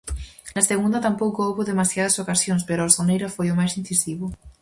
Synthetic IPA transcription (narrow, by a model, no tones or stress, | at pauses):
laseɣ̞und̪at̪ampowkoowβoðemasjað̞asokasjonspeɾoasonejɾafojomajsinθisiβo